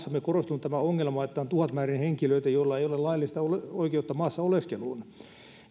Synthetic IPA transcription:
sːɑmekorost̪unut̪æmæoŋːelmɑet̪ːæont̪uɑt̪mæːrinheŋkiløit̪æjoilːɑeijolellɑilːist̪ɑoleoikeut̪ːɑmɑːsːɑoleskeluːn

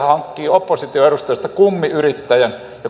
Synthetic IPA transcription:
hɑŋkːiːopːosit̪ioeɾust̪ɑjɑst̪ɑkumːiyrit̪ːæjæn | jo

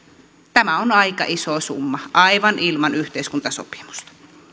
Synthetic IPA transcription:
t̪æmæonɑikɑ̰ʔisosṵmːɑʔɑiʋɑnʔilmɑnyht̪eiskunt̪ɑso̰pi̥mu̥st̪ɑ̥

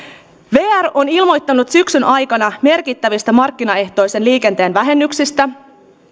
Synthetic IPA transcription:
ʋe̞ːæro̞nilmo̞jt̪ːɑnut̪syksynʔɑjkɑnɑme̞rkit̪ːæʋist̪æmɑrkːinɑe̞ht̪o̞jse̞nliːke̞nt̪e̞ːnʋæɦe̞nːyksist̪æ

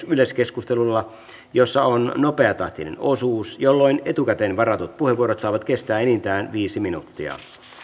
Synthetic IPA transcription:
yløskeskust̪elulːɑ | josːɑonnopeɑt̪ɑht̪inḛnosuːsjolːoinet̪ukæt̪enʋɑɾɑt̪ut̪̚puheʋuoɾot̪sɑːʋɑt̪kest̪æːenint̪æːnʋiːsiminut̪ːiɑ̰

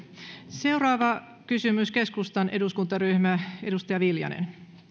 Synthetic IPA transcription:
se̞urɑːʋɑ | kysymyske̞skust̪ɑnʔe̞duskunt̪ɑryhmæedust̪ɑjɑʋiljɑ̰nḛn

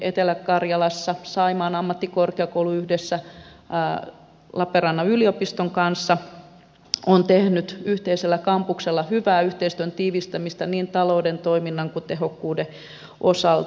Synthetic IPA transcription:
et̪elækkɑrjɑlɑsːɑsɑimɑːnɑmːɑt̪ːikorkeɑkouluyhdesːæ | lɑpeɾɑnːɑyliopist̪oŋkɑnsːɑ | ont̪ehnyt̪yht̪eiselːækɑmpukselːɑhyʋæːyht̪eist̪yønt̪iːʋist̪æmist̪ɑniːnt̪ɑloudent̪oiminːɑŋkut̪eɦokːuːde | ʔo̰sɑlt̪

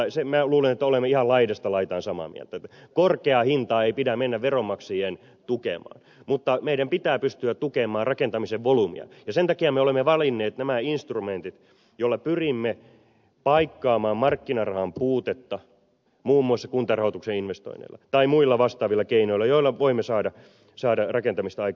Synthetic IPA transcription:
semæluːlenet̪ːæolemːeihɑllɑidest̪ɑlɑit̪ɑːnsɑmɑ̰mḭæ̰lt̪æt̪ːækorkeɑhint̪ɑːeipidæmenːæʋʋeromːɑksiːhen | t̪ukḛmɑ̰ːn | mut̪ːɑmeiɾæmpit̪æːpyst̪yætt̪ukemˑɑːrrɑkent̪ɑmiseʋʋolumḭɑ̰jɑsent̪ɑkiɑmeolemːeʋɑlinːeːt̪næmæinst̪rument̪it̪ | jolːɑpyrimːe | pɑikːɑːmɑːmmɑrkːinɑrɑhɑmpuːt̪et̪ːɑ | muːmːuɑsːɑkunt̪ɑrɑhot̪ukseinʋest̪o̰ḭnḛlːɑ̰t̪ɑimuilːɑʋɑst̪ɑːʋilːɑkeinoilːɑjoilːˑɑʋoimːesɑːdɑ | sɑːdɑrɑkent̪ɑmist̪ɑɑikː

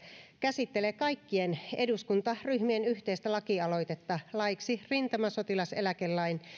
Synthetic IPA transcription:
kæsit̪ːe̞lekɑikːie̞ne̞duskunt̪ɑryhmie̞nyht̪e̞jst̪ælɑkiɑlo̞jt̪et̪ːɑlɑjksirint̪ɑmɑso̞t̪ilɑse̞lækelːɑin

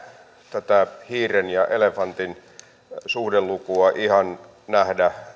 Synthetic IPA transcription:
t̪æt̪æhiːrenjɑʔelefɑnt̪in | suhdelːukuɑʔihɑn | næhdæ

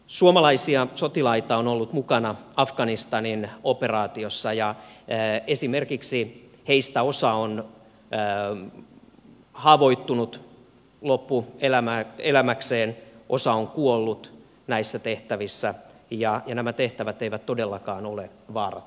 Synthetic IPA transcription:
suomɑlɑisiɑsot̪ilɑit̪ɑonolːut̪mukɑnɑɑfɡ̥ɑnist̪ɑninoperɑːt̪iosːɑjɑ | esimerkiksi | heist̪æosɑonː | hɑːʋo̞it̪ːunut̪ | lopːuelæmæelæmækseːnʔosɑoŋkuolːut̪ | næisːæt̪eht̪æʋisːæjɑjɑnæmæt̪eht̪æʋæt̪eiʋæt̪t̪odelːɑkɑːnole | ʋɑːrɑ̰

